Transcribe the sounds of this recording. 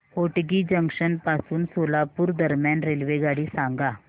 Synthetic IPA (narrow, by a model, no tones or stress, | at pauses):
hoʈɡiːd͡ʑəŋkʂənpasuːnsolapuːɾd̪əɾmjanɾelʋeɡaɽiːsãŋɡa